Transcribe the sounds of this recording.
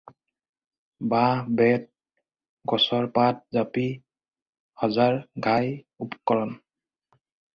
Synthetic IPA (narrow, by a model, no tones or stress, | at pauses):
babɛt̚ | ɡɔsɔɹpat̚zapi | hɔzaɹɡʱaj | upkɔɹɔn